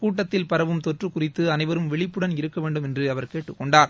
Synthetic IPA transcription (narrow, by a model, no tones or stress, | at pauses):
kuːʈːɐt̪ːɪlpɐɾɐʋɯmt̪ɔʈrɯkʊrɪt̪ːɯɐnɐɪʋɐɾɯmʋɛɭɪpːɯɽɐnɪɾɯkːɐʋeːɳɖɯmɛndrɯɐʋɐɾkeːʈːɯkːɔɳɖaːɾ